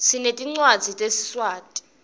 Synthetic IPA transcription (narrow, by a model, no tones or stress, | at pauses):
sinetʼiŋ͡ǀwad̥d͡z̥ʱitʼesi̥swaːtʼi̥